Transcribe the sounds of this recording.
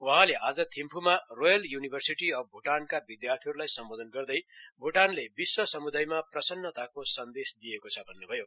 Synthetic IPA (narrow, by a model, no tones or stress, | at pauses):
uɦãleʔad͡zʌt̪ʰimpʰumarojʌljunibʱʌrsiʈiʌb̚bʱuʈankabid̪jart̪ʰiɦʌɾulajsʌmbod̪ʱʌnɡʌrd̪ʌjbʱuʈanlebiswʌsʌmud̪ajmaprʌsʌnːʌt̪akosʌnd̪esd̪ijekot͡sʰʌbʱʌnːebʱʌjo